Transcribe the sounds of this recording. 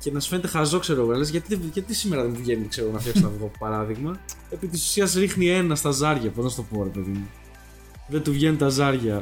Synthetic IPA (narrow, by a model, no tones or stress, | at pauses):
ce̞nɐsfe̞net̪exɐzo̞kse̞ɾoɣo̞nɐle̞zʝɐt̪iðeʝɐt̪isime̞ɾɐðemuvʝe̞nikseoɣonɐftçɐksonɐvɣoɐpo̥pɐɾɐðiɣmɐ | epit̪isu̥siɐzɾixnie̞nɐst̪ɐzɐɾʝɐponɐst̪opo̞ːɾe̞pe̞ðimu | ðet̪uvʝe̞nit̪ɐzɐɾʝɐ